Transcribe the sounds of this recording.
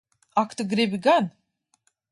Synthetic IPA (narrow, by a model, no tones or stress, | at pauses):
akʰt̪ɨɡɾebiɡan